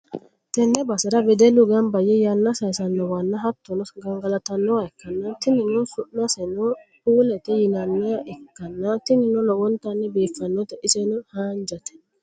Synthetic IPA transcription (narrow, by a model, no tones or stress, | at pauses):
t̪ɛnːɛbɐsɪɾɐbɛd̪ɛlʊɡɐmbɐjɛjanːɐsɐjsɐnːɔwɐnːɐɦɐt̪ːɔnɔsɡɐŋɡɐlɐt̪ɐnːɔaɛkːɐnːɐt̪ɪnːɪnːɔsʊʔnɐsɛnɔ | uːlɛt̪ɛjɪnɐnːɔjaʔɛkːɐnːɐt̪ɪnɪnːɔlɔwɔnt̪ɐnːɛbiːfːɐnːɔt̪ɛʔɪsɛnɔhaːnd͡ʒɐt̪ɛ̥